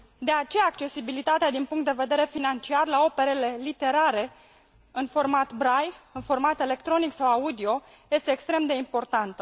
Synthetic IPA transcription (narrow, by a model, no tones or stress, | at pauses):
d̪e̞at͡ʃe̞jaːkt͡ʃe̞sibilit̪at̪ead̪inpuŋkt̪d̪e̞ve̞d̪e̞ɾe̞finant͡ʃiarlao̞pe̞ɾele̞lit̪e̞ɾaɾe̞ | ɨnfo̞rmat̪bɾajɨnfo̞rmat̪e̞le̞kt̪ɾo̞niksawaud̪io̞ | je̞st̪eːkst̪ɾe̞md̪e̞impo̞rt̪ant̪ə